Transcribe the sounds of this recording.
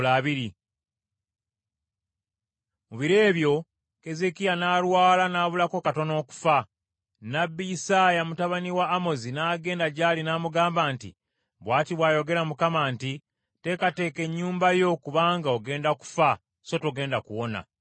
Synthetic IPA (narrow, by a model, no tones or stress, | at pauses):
laːβiɾi | muβiɾe̞ːβjo̞ | ke̞ze̞kijanaːlwaːlanaːβulako̞kato̞no̞ːku̥fa | nabːijisaːjamutaβaniwaːmo̞zinaːɡe̞ːndaɟaːlinaːmuɡaːmbaːntḭ | βwaːtiβwaːjo̞ɡe̞ɾamukamaːnti | te̞kate̞ːke̞ɲːuːmbajo̞kuβaːŋɡaoɡe̞ːndaku̥fa | so̞to̞ɡe̞ːndakuwo̞na̰